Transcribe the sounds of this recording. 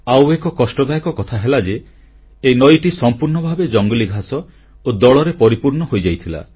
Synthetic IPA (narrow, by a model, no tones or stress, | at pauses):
awekɔkɔsʈɔd̪ajɔkɔkɔt̪ʰaɦelad͡ʒeː | jnɔjʈisɔmpuɾɳɔbʱabed͡ʒɔŋɡɔliɡʱasɔ | od̪ɔɭɔɾepɔɾipuɾɳɔɦojd͡ʒajt̪ʰila̰